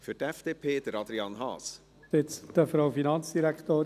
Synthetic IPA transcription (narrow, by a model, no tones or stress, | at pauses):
fyɾtɛfd̥eːpʰeːd̥̪əɾɑd̪ɾiɑːnɦɑ̰ːs | ɪt͡sd̥əfɾowfinɑnt͡sd̥iɾækχtoːɾ